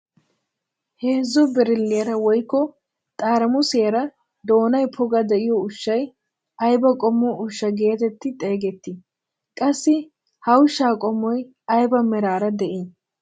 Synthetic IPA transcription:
heːzːɔbɛɾɪlːeɐɾɐwɔjkːɔ | t̪ʼaːɾɐmʊseːɾɐ | d̪o̞ːnɐjpʰɔɡɐd̪ɛʔɪjɔʊʃːɐj | ɐjbɐkʼɔmːɔʊʃːɐɡe̞ːt̪ɛt̪ːɪt̪ʼe̞ːɡɛt̪ːɪ | kʼɐsːɪ | hɐwʊʃːaːkʼɔmːɔj | ɐjbɐmɛɾaːɾɐd̪ɛʔɪn

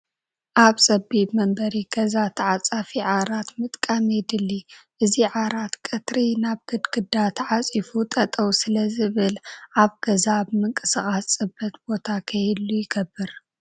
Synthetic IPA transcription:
ʔaβsʼɐbibmɐmbɐɾiɡ̥ɐzat̪ʰɐʕat͡sʼafiʕaɾat̪mɨt̪ʼkʼamɛd̪ɨlːiʔɨziʕaɾat̪kʼɨt̪ɾinaβɡ̥ɨd̪ɡɨd̪ːat̪ʰʕat͡sʼifut̪ʼɐt̪ʼɐwsɨlɐzɨβɨlʔaβɡ̥ɐzaβmɨŋkʼɨsɨχʼassʼɨbːɐt̪bo̞t̪ʰakʰɐjlːujɪɡɐbːɨɾ

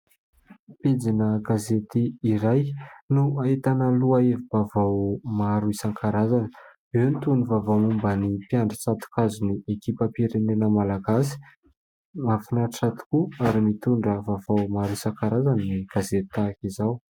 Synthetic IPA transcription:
ped͡zinəɡazet̪iːɾajnuaet̪anəluaevibavawmaɾuisaŋkaɾazanə̥ | ewnit̪uɳivavawmumbənipjaɳɖ͡ʐat͡sat̪u̥kazuniekipəpiɾenenəmalaɡasi̥ | mafinaʈ͡ʂat̪i̥kuaɾimit̪uɳɖ͡ʐəvavawmaɾuisaŋkaɾazanniɡ̥azet̪t̪akizaw

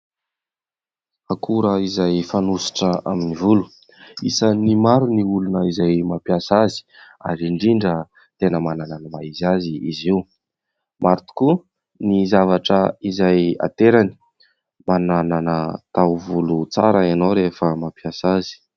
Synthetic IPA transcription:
akʰuɾəizajfanusi̥ʈ͡ʂəʔaminivulu̥ | isənimaɾuniulunəizajmapjasazi̥ | a̰ɾiɳɖ͡ʐiɳɖ͡ʐə | t̪enəmanananəmaizaziiziw | maɾit̪u̥ku | nizavaʈ͡ʂəizaja̰t̪eɾani̥ | manananət̪awvulut͡sa̰ɾəanowɾefəmapjasazi̥

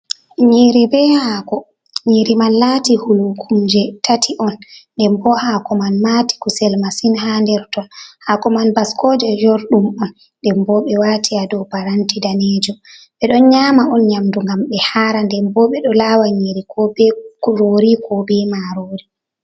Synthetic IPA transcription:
ɲiɾibɛhaːkɔ | ɲiɾimanlatihulukʰumd͡ʒɛtatʰiʔɔnːdɛmbɔhakɔmanmati̥kusɛlmasinhandɛɾtɔnhakɔmanbaskɔd͡ʒɛd͡ʒɔɾɗumɔn | dɛmbɔɓɛwatʰiadɔpaɾantidaned͡ʒɔɓɛɗɔnɲamaɔnɲamduŋɡamɓɛhaːɾandɛmbɔɓɛɗɔlaːwaɲiɾikʰɔbɛɾoɾikʰɔbɛmaɾoɾi

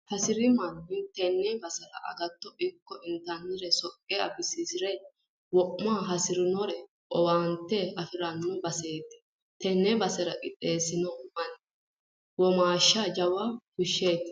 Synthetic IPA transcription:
hɐsɪɾɪmɐnːɪnt̪ɛnːɛbɐsɛɾɐ̰ʔɐ̰ɡɐt̪ːɔʔɪkːɔɪnt̪ɐnːɪɾɛsɔkʼːeɐ̰bɪsisɪɾɛ | wɔʔːaːɦɐsɪɾɪnɔɾɛ | ʔʼɔwaːnt̪ːɛɐfɪɾɐnːɔbɐse̞ːt̪ːɪ̥ | t̪ɛnːɛbɐsɛɾɐkʼɪt̪ʼːe̞ːsɪnɔmɐn | wɔmaːʃːaːd͡ʒɐwakʊʃːeːt̪ːɪ̥

